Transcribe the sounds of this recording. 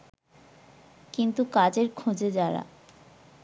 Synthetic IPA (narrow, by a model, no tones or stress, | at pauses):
kint̪ukad͡ʑeɾkʰod͡ʑed͡ʑaɾa̰